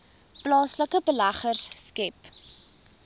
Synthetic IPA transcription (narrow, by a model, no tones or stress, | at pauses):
plɑːsləkəbəlæχərsːkɛp